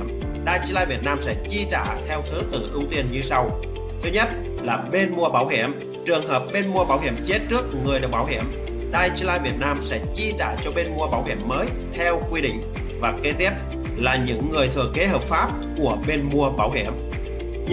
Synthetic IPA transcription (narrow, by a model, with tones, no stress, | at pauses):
m | ɗaː˧˩jt͡ɕi˧˥laː˧jvi˨˩ət̚naː˧msɛ̰˧˥t͡ɕi˧t͡ɕa̰ː˧˨t̪ʰɛ˧wt̪ʰɨ˨˦t̪ɨ̰˧˨ʔɨ˧wt̪i˧ənɲɨ˧sa˧w | t̪ʰi˦˥ɲə˦˥t̚ | laː˨˩ɓe˧nmu˧əɓaː˧˩wɦḭ˧˩əm | t͡ɕɨ˨˩əŋɦəː˨˩p̚ɓe˧nmu˧ə˧ɓaː˧˩wɦḭ˧˩əmt͡ɕe˦˥t̚t͡ɕɨ˦˥ək̚ŋɨ˨˩əjɗk̚ɓaː˧˩whḭ˧˩əm | ɗaː˧˩jt͡ɕi˧˥laː˧jvi˨˩ət̚naː˧msɛ̰˧˥t͡ɕi˧t͡ɕa̰ː˧˩t͡ɕɔ˧ɓe˧nmu˧əɓaː˧˩whḭ˧˩əmːəː˨˦j | t̪ʰɛ˧wkwi˧ɗḭ̈˧˨ŋ̟ | vaː˨˩ke˨˦t̪i˦˥əp̚ | laː˨˩ɲɨ̰˧˥ŋːɨ˨˩əjt̪ʰɨ˨˩əke˨˦ɦəː˨˩p̚faː˦˥p̚ku˧˩əɓe˧nmu˧əɓaː˧˩wɦhḭ˧˩əm